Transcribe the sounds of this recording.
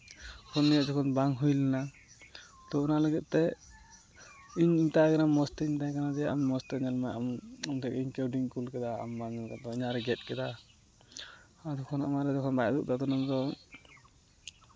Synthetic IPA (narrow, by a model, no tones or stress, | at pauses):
kʰɔnːijəʔd͡ʒɔkʰɔnbaŋɦujlɛna | t̪ɔunaləɡɛt̪̚ˀt̪ɛ | iɲiɲt̪aɡanamːɔst̪ɛiɲt̪akanad̪ɛjaʔammɔst̪ɛɲalmajamɔmt̪ɛkiŋkɛwɖiŋkulkɛd̪aa̰mbaɲɔkat̪ɔiɲaʔɾɛɡɛt̪̚kɛd̪a | ad̪ɔkʰɔna̰maɾɛd̪ɛkʰɔnbajd̪uʔ̚d̪at̪ɔnɔmd̪ɔ